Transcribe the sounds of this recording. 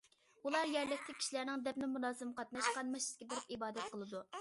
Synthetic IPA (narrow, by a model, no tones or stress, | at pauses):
ulˠɑɾjɛɾlɛsʲt̪ʰɪkʲʰi̥ʃilæɾnɪŋd̪ɛp̚nɪmunɑːzɨmqɑt̪̚nɑʃqɑnmɑʃɪskʲɛbɪɾɪp̚ibɑːd̪ɛt̪̚qʰəlˠɨd̪u